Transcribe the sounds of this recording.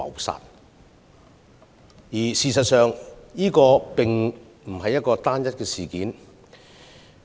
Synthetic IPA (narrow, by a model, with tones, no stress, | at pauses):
ɐ̰˨wsa̰ː˨˩t̚ | jiː˨˩siː˨˧sɐ˨t̚sœː˨˧ŋjiː˥kɔː˧pɪ˨ŋ | m̩˨˩hɐ˨jɐ˥t̚kɔː˧t̪aː˥njɐ˥t̚kɛː˧siː˨kiː˨˥n